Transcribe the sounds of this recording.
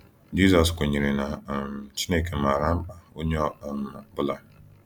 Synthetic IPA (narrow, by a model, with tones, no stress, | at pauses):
d͡ʒiː˦zɔ˨sko˨ɲi˨ɾi˨na˨mt͡ʃɪ˦ne˦˨kɨ˨maː˨ɾa˦˨ʊ˦ɲɔ˦˨bʊ˦la˨